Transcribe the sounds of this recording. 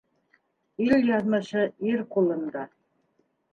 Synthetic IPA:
ilʲjɑðmɤ̆ɕɤiɾkulˠɤ̆nd̪ɑ

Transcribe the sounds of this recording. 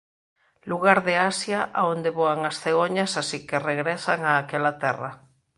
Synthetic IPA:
luɣ̞aɾðeasjaʔaond̪eβoaŋasθeɣoɲasasikereɣɾesaŋaːkelat̪ɛra̰

